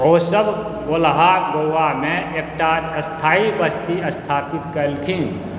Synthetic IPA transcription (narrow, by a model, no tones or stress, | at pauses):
oːsəb | olɦaɡowamẽek̚ʈaəst̪ʰaːibəst̪iəst̪ʰaːpɪt̪kəɾlkʰĩː